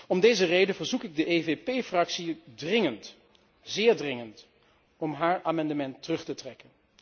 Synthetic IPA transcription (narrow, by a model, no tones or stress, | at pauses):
ɔmdejzərejdəvəɹzukɪɡ̚dəʔevepejfrɑksidrɪŋənt | zɪːɹdrɪŋənt | ɔmɦaːɹaːmɑndəmɛntːərɵχtətrɛkən